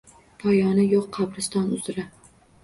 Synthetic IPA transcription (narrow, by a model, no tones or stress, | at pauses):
pʰɒjɒnɪjoqːʰɑbɾɪst̪ɒnʊzɾa